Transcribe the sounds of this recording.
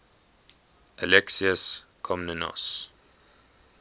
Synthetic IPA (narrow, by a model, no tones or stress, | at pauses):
ʔəlɛksiəskʰɔmnənɔ̰s